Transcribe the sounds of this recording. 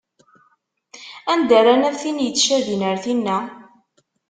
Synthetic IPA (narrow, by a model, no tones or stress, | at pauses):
ænd̪æɾanæθinjət͡sːʃæðinəɾθinːæ